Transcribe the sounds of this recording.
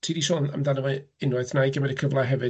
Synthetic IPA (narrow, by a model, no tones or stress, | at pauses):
tʰiːdiʃɔːna̰mdanəwɨɪnwaθnajɡəmɛdəkʰəvlˠaɦɛvɨ